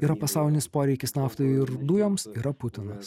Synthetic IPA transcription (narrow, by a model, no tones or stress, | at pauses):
iːɾɐpɐsɑˑʊlʲɪnʲɪspoːɾʲɛɪkʲɪsnɑːft̪ɐɪɪɾd̪ujoːmsiːɾɐpʊt̪ʲɪnɐs